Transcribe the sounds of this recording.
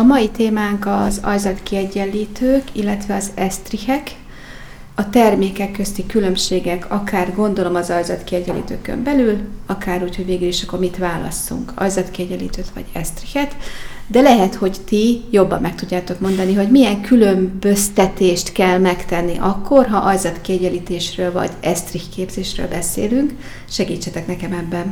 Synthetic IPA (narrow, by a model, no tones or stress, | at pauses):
ɒmɒjit̪eːmaːŋkɒzɒ̰jzɒt̪kiɛɟːɛlːiːt̪øːkilːɛt̪ʋɛɒzɛst̪rihɛk | ɒt̪ɛrmeːkɛkːøst̪ikylø̞mʃeːɡɛkʰɒkaːrɡo̞nd̪o̞lo̞mɒzɒjzɒt̪kiɛɟːɛlḭːt̪ø̰ːkø̰mbɛlylɒkaːɾuːcho̞ɟveːɡyliʃɒkːo̞rmit̪ʋaːlɒ̰sṵŋkɒ̰jzɒt̪kiɛɟɛlḭːt̪øːt̪ʋɒ̰ɟɛ̰st̪rihɛt̪ | d̪ɛlɛɦɛt̪ho̞ɟt̪ijo̞bːɒ̰mːɛk̚t̪uɟːaːt̪o̞kmo̞nd̪ɒniɦo̞ɟmiɛŋkʰylø̞mbø̞st̪ɛt̪eːʃt̪kɛlmɛkt̪ɛnːiʔɒkːo̞rɦɒʔɒjzɒt̪kiɛɟɛliːt̪eːʃrøːlvɒ̰ɟɛst̪rihkeːbz̥eːʃrø̰ːlbɛsḛːlyŋk | ʃɛɡiːt͡ʃːɛt̪ɛknɛkɛmɛbːɛn